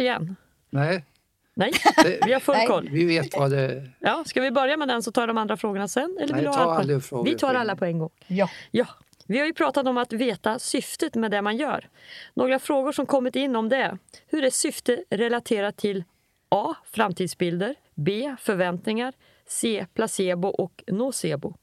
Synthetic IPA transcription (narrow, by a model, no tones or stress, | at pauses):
ɪjɛ̰nː | nɛ | nɛjvɪhaɾfɵlkʰɔlːvɪveːt̪vad̪ɛjɑːskavɪbœɾjamɛd̪ɛnsɔt̪ʰɑːɖɔmand̪ɾafɾoːɡəɳasɛnːɛlːəvɪɾd̪haafɾoːvɪt̪ʰɑːɾalːapʰɔɛnɡɔŋːjɑː | vɪhaɾjɵpʰɾɑːt̪at̪ɔmat̪veːt̪asʏft̪ət̪mɛd̪ɛmanjœ̰ːɾnʔoːɡɾafɾoːɡʊʂɔmkʰɔmːɪt̪ɪnːɔmd̪ɛhɵɖɛsʏft̪əɾɛlat̪ʰeːɾaʈʰɪl | ʔɑːfɾamt̪ʰiːd̪sbɪld̪əɾ | beːfœɾvɛnt̪nɪŋaɾ | seːpʰlaseːbʊʔɔknoːseːbʊ